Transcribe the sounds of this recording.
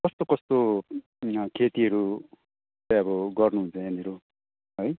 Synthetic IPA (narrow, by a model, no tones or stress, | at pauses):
kʌst̪okʌst̪o | kʰet̪iʌɾu | t͡saʌbʌɡʌrnuɦũnt͡sʰʌ̃ʌneɾo | ɦʌj